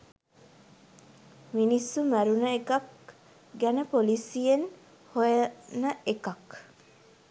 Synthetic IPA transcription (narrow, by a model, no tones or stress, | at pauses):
minisːumæɾunəekɐk̚ | ɡænəpolisijen | hojɐnəekɐk